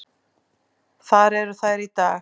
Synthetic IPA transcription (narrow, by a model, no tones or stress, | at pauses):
θaɾɛɾθajɾit̪aː